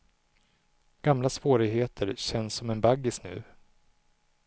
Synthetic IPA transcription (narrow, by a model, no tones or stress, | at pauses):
ɡ̥amlasvoːɾɪɡɦheːt̪ʰəɾɕɛnsːɔmɛnbaɡːɪsnʉ̟̰ː